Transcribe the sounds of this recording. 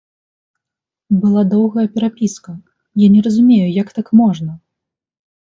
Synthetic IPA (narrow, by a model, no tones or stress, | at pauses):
bɨlˠad̪ɔwɣɐjɐpʲɛɾapʲiskɐ | janʲɛɾɐzumʲejujakt̪akmɔʐnɐ